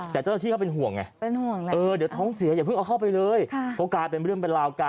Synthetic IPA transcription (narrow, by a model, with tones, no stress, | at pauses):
t̪ɛː˨˩t͡ɕa˥˩naː˥t̪ʰiː˥˩ka˥˩pe˧nɦu˨˩əŋʔa̰˨˩ʔpe˧nhu˨˩əŋ˧ʔɤː˧di˨˦wt̪ʰɔː˦˥ŋsi˨˩˦ɐjaː˨˩pʰɯ˥˩ŋʔa˧wkʰa˥˩wp̬a˧jlɤː˧jkʰa˥˩o˦˧˥kaː˧˩pe˧n˧ɾɯ˥˩əŋpe˧nɾlaː˧wka˧